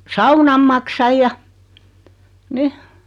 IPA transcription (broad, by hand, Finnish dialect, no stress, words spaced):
sɑunɑm mɑksɑj jɑ ni